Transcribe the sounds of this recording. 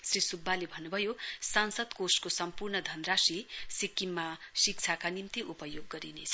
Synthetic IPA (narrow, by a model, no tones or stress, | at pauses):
srisubʱːalebʱʌnːubʱʌjosansʌd̪koskosʌmpurnʌd̪ʱʌnrasisikːimːasik̚t͡sʰakanimt̪iʔupʌjoɡːʌɾinet͡sʰʌ